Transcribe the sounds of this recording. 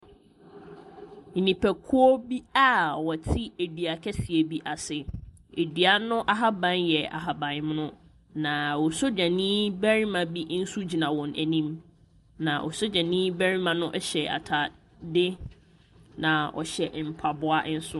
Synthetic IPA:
n̩˨nĩ˨pʰæ˨kʰʊ˦ɔ˦bi˦a˦wɔ˨tʰi˦e˨dɥa˨kʰɛ˦si˨e˨bi˦ʔa˨sɪ˨e˨dɥa˦nʊ̃˦ʔa˦ɦa˦bã˦njɛ˨a̰˨ɦa˨bã˨nm˦nʊ̃˦ | nã˨wɔ˨so˦d͡ʑã˨nĩː˦bæ˦ɾi˦mã˨bi˦n̩˦su˦d͡ʑi˨nã˨wɔ̃˨nʔæ˨nĩ˦m | nã˨ʔɔ̰˨so˦d͡ʑã˨nĩː˦bæ˦ɾi˦mã˨nʊ̃˦ʔɛ˦ɕɛ˨a̰˨tʰa˨ | dɪ˦ | nã˨ɔ̰˨ɕɛ˨ʔm̩˨pʰa˨bʊ˦a˦ʔn̩˦sʊ˦

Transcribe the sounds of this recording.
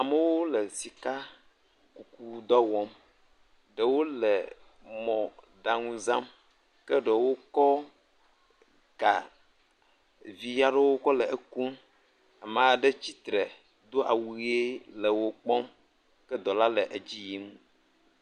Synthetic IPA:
a˨mə˦wo˦lə˨si˨ka˦ | ku˨ku˦d̪ɔ˦wɔ˦m | ɖə˨wo˦lə˨ | mɔ̃˨ | ɖa˨ŋũ˦zã˦m | kə˦ɖə˨wo˦kɔ˦ | ɡa̰˨ | vi˨ja˦ɖe˦wo˦kɔ˦lə˨ʔe˨ku˦m | a˨mə˨a˨ɖə˦t͡ɕi˦t̪ɾɛ˨ | d̪o˦ʔa̰˨wu˨˦e˦lə˨wo˦k͡pɔ˦m | kɛ˦d̪ɔ˨la˦lə˨ʔe˨d͡ʑi˦ji˦mũ˦

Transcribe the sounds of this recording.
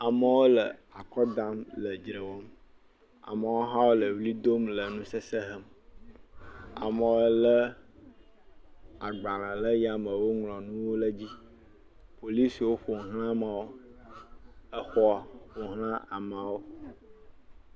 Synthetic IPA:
a˨mə˨wo˦lə˨a˨kɔ˦d̪ã˦mlə˨d͡ʒɾə˨wɔ˦m | a̰˨mə˨wo˦ɦã˦wo˦lə˨vli˦d̪o˦mlə˨nũ˦sə˦sə˦ɦə˦m | a̰˨mə˨wlə˦ | a˨ɡ͡ba˨lã˨lə˦ja˨mə˨wo˦ŋlɔ̃˨nũ˦wo˦lə˦d͡ʑi˦ | po˨li˦si˨wo˦ɸo˨ɦl̃ã˦mã˨wo˦ | ə˦xɔ˦a˦˨ɸo˨ɦlã˦a˨mã˨wo˦

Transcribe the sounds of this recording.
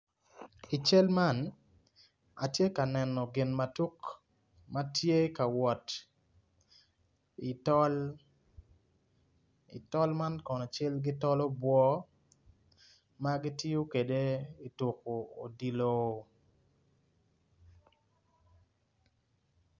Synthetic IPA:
i˨t͡ʃe˦lma˦˨n | a˨tje˦ka˨nɛ˨nɔ˨ɡɪ˨nma˨tu˦k | ma˦tje˦ka˨wɔ˨t | i˨tɔ˦l | ḭ˨tɔ˦lma˦nkɔ˨nɔ˨t͡ʃe˦lɡɪ˦tɔ˦lɔ˦bwɔ˦ | ma˦ɡɪ˦tɪ˦jo˦ke˨de˦i˨tʊ˨ko˨o˨di˨lo˦

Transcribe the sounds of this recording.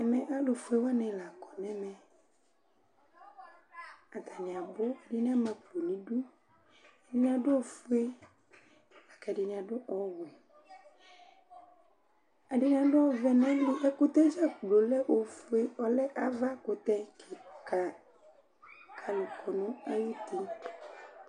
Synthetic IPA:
ɛ˨mɛ̃˨ʔa˦lo˨fu˦e˦wa˦nɛ̃˨la˨kɔ˨nɛ̃˦mɛ̃˨ | a˨t̪a˨nĩ˨a˨bo˦a˨di˦n˦ã˦mɛ̃˨k͡plo˨nĩ˨ɖu˦ | a˨i˦ɲĩ˦˨a˨ɖo˦o˨fu˦e˦ | a˨ka˨di˨nĩ˨ã˨ɖo˦ʔɔ˦wo˨ | a˨ɖi˦nĩ˦ã˨ɖo˦ɔ˦vɛ˦nɛ̃˦li˦ʔɛ˦ko˦t̪ɛ˦d͡ʒa˦k͡plo˨lɛ˦ʔo˨fu˦e˦ɔ˦lɛ˦ʔa˨va˦ko˦t̪ɛ˦kʰe˨ka˨ | kʰa˨lu˨kʰɔ˨nũ˦a˦wi˦t̪i˦

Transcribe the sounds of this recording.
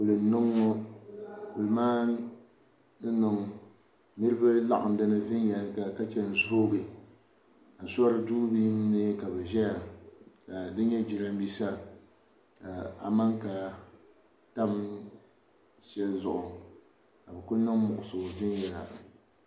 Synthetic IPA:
kʊ˨lɨ˨n˨˦nɨ˦ŋːɔ˦ | kʊ˨lɨ˨maː˦ | nɨ˦nɨ˨ŋ | nɨ˦ɾɨ˦ba˦la̰˦ʔa̰˨m˨da˦nɨ˦vɪ˦njɛ˨la˨ka˨ka˦t͡ʃɛ˦n̩˨zʊ˦ho˦ɡɨ˨ | a˨sɔ˦ɾɨ˦duː˦bi˦nɨ˦ka˨bɛ˨ʒɛ˦ja˨ka˨dɨ˦ɲɛ˦d͡ʒi˨ɾa˦m˦bi˦sa˦ | a˨a̰˨ma˦ŋka˨ | ta˦m | ʃɛ˦lzʊ̰˨ʔʊ˨ | ka˨bɛ˨kʊ˦nɨ˦ŋ˦mʊ˨ʔʊ˨so˨vɪ˦njɛ˨la˨

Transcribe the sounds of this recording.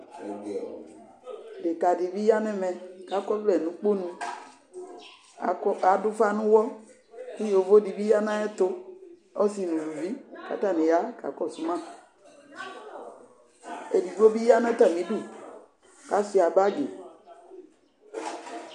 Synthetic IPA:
de˨ka˨di˨bi˦ja˦nɛ̃˦mɛ̃˨ka˨˦kɔ˦vlɛ˨nũ˨k͡po˦nũ˧˨˦ | a˨˦du˦fa˦nũ˦wɔ˦ | ki˦jo˨˦vo˦di˨bi˦ja˦nã˦ɛ˦t̪o˦ | ɔ˦si˨nũ˨lu˨vi˦ka̰˨˦ta˦˨nẽ˨ja˨˦ka̰˨˦kɔ˦˨su˨mã˦˨ | e˨di˨ɡ͡bo˦bi˦ja˦nɛ̃˦ta˨mĩ˨˦du˦˨ | ka˨˦si˨a˨ba˦ɡe˨

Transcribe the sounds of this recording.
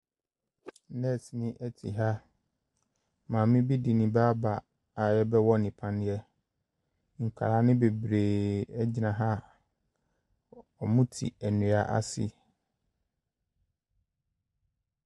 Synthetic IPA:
nɛ̃˦˨si˨nɪ̃˦ʔɛ˦tʰḭ˨ɦa˦ | mãː˨mɪ̃˦bi˦di˨nɪ̃˨baː˦ba˨ | a˨jɛ˦bɛ˦wɔ˦nɪ̃˨pʰã˦n˦jɛ˦ | ŋ̩˨kʷʰa̰˨ɾa˦nɪ̃˦be˨bɾeː˨ɛ˦d͡ʑɪ˨nã˨ɦa˦˨ | ɔ˨mʊ̃˦tʰḭ˨æ˨nʊ̃˨a˨ʔa̰˦sɪ̰˦

